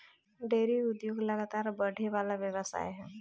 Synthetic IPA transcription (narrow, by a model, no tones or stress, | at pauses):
ɖeːɾiʊd̪joːɡlɐɡaːt̪aːɾbəɽ̤ʱeʋaːlaʋjəʋəsa̰ːjɦɛ̃ː